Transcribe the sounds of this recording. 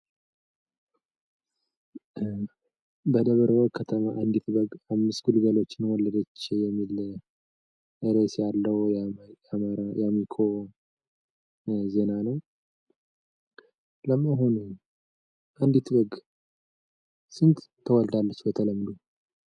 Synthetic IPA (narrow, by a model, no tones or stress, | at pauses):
bəd̪əβəɾəwkʰət̪ʰəmaʔand̪it̪bəɡamːɨsɡulɡəlo̞t͡ʃːnwɔlːəd̪ət͡ʃːjɛmːil | ʔeɾesjalːəwjamaɾajamikʰo | ze̞nanəw | ləmaɦunu | ʔand̪it̪bəɡ | sɨnt̪t̪ʰːəwɔld̪alːət͡ʃːbət̪ʰələmːd̪u